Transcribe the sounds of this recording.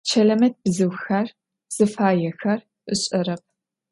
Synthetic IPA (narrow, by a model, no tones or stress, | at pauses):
t͡ʃʰɐlɐmɐt̚b̥zɨwxɐr | z̥ɨfaːjɛxɐr | ɨɕʼɐɾɐp̚